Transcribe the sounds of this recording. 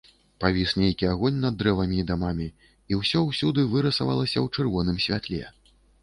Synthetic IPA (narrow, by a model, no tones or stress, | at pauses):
pavʲisnʲejkʲiaɣɔnʲnɐd̪ːɾɛvɐmʲiːd̪amamʲi | iwsʲɔwsʲud̪ɨvɨɾɐsava̰lˠɐsʲɐwt͡ʂɨrvɔnɨmsʲvʲa̰t̪lʲɛ̰